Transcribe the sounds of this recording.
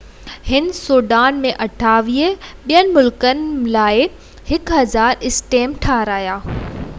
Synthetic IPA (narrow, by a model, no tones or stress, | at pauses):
hɪnsoːɖaːnmẽʔɐʈʰaːʋiːəɓijənɪ̆mʊlkənɪ̆laːɪ | hɪkɦɐzaːɾɪsʈeːmʈʰaːɾaːjaː